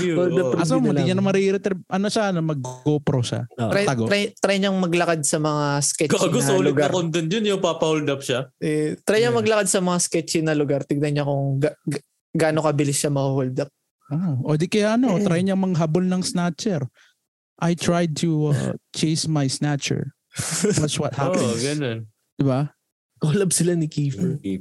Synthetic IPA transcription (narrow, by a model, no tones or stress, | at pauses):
old̪ɐpɐsomɐɪɲɐnɐmɐɾiɾɛt̪ɛɾʔɐnoʃanɐmɐɡ̚ːopɾoʃa̰ɾaɐɡoɾat̪ɾajɲɐŋmɐɡlɐkad̪̚sɐmɐŋaskɛt͡ʃɐkɐɡʊsolʊɡaɾond̪ɪnjonjʊŋpaːpɐhʊld̪ɐp̚ʃaʔɛt̪ɾajɲɐŋmɐɡlɐkad̪sɐmɐŋaskɛt͡ʃɪnɐlʊɡaɾt̪ɪɡ̚nɐɲakʊŋɡa | ɡaːno̞kɐbɪlɪsʃɐmɐhuhʊld̪ɐp̚ | aʔod̪ikɐjaʔɐnot̪ɾajɲɐŋmɐŋaɦabolnɐŋsnat͡ʃɛɾ | ʔajt̪ɾajd̪̚t̪ʰuɐ̰t͡ʃejsmɐjsnat͡ʃɛ̰ɹ | d̪ɐt͡ʃwɐt̪̚hapɛɡɐnon | d̪̥ɪba | kolɐb̚sɪlanɪkiːfɛ